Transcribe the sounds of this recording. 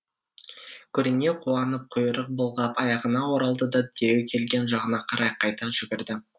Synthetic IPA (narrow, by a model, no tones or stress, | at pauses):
kʲʰɵɾɪne̞qʰuɑnəp̚qʰʊjəɾəq̚bolˠʁɑpɑjɑʁənɑwoɾɑlˠd̪əd̪ɑd̪ʰeɾe̞wkʲʰe̞lɡʲe̞nʒɑʁənɑqʰɑɾʔɑjqʰɑjt̪ɑʒʏɡʲɪɾd̪ɪ